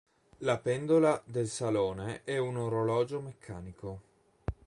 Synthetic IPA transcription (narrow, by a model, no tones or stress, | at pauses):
lapɛnd̪olad̪elsaloːneɛunoɾolɔːd͡ʒomekʰːaːniko